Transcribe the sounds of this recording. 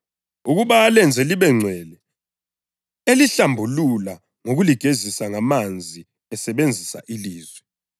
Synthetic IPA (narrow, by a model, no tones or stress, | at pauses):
uɣuβaːlɛnd͡zʱɛliβɛŋ͡ǀʱwɛlɛ | eliɬambʱulula | ŋoɣuliɡ̥ʱezisaŋamand͡zʱi | ɛsɛβend͡zʱisa̰ʔiliːzwɛ